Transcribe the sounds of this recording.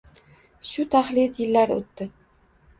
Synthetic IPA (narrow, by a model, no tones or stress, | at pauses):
ʃʊt̪ʰaχlɪjt̪jɪlːaɾo̰t̪ːɪ